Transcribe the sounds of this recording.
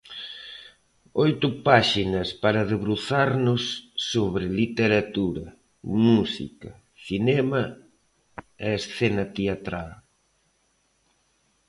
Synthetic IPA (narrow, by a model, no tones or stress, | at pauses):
ojt̪ʊpaʃinɐspaɾɐðeβɾuθaɾnʊsːoβɾɪlit̪eɾat̪uɾɐ | musḭkɐ | sinɛmɐ | ɛesθɛnɐt̪eat̪ɾal